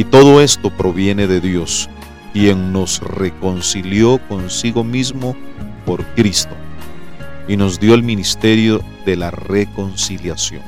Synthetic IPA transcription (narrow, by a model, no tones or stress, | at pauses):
it̪o̞ðo̞e̞st̪o̞pɾo̞βje̞ne̞ðe̞ðjo̞s | kje̞ŋno̞sreko̞nsiljo̞ko̞nsiɣo̞mizmo̞po̞ɾkɾist̪o̞ | ino̞zd̪jo̞elminist̪e̞ɾjo̞ | ðe̞lare̞ko̞nsiljasjo̞̰n